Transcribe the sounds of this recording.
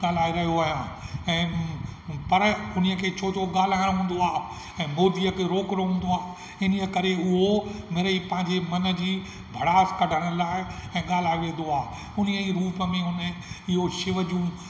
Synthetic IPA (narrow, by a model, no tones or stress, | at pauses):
ɠaːl̤aːiɾɐɦijoaːɦijãːɛ̃ː | pɐɾʊnəkʰeːt͡ɕʰoːtʰoɠaːl̤aːɪɽ̃ɦũːnd̪oaːɦ | ɛ̃ːmoːd̪iəkʰeɾoːkɾoɦũːn̆d̪oaː | ɪnəkɐɾeʊɦomeːɾeipɐ̃ɦɪ̃ɲd͡ʑemɐnə̆d͡ʑiː | bʱɐɽaːskɐɖʱəɽ̃ə̆laːɪɛ̃ːɠaːl̤aːiʋẽːn̆d̪oaːɦ | ʊnijəiɾuːpəmẽɦʊnəɪɦoʃɪʋəd͡ʑũː